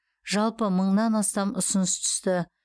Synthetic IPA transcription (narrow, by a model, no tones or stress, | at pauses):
ʒɑlˠpəməɴnɑnɑst̪ɑmʊsʊnəst̪ʰʏ̥st̪ɪ